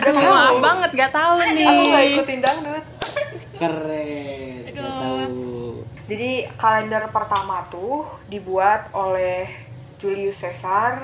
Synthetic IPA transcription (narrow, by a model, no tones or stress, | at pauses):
ɡat̪aubaŋət̪̚ŋɡat̪aʊnnːɡaikʊt̪ːindaŋ̚dʊt̪̚ | kərɛ | ɡaa | d͡ʒadikalɛndərpərt̪amat̪uhdibuat̪olɛh | d͡ʒuliusesar